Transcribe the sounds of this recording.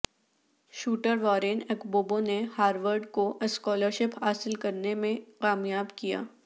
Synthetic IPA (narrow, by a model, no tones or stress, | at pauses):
ʃuːʈəɾʋɔːɾeːnɛkboːbonehaːɾʋəɾɖkoʔɪskɔːləɾʃɪpɦaːsɪlkɐɾnemẽkaːmjaːbkija̰ː